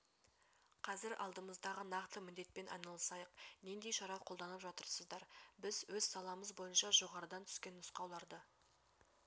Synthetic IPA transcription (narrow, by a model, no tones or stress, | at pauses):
qʰɑzɪɾʔɑ̰lˠd̪əməzd̪ɑʁənɑqt̪əmɪnd̪e̞t̪̚pe̞nʔɑ̰jnɑlˠəsɑjəqnend̪e̞jʃɑɾɑqʰo̞lˠd̪ɑnəpʒɑt̪əɾsəzd̪ɑɾbɪzwɵz̥sɑlˠɑməzbo̞jənʃɑʒo̞ʁɑɾəd̪ɑnt̪ʰʏ̥skʲe̞nːʊsqɑwlˠɑɾd̪ə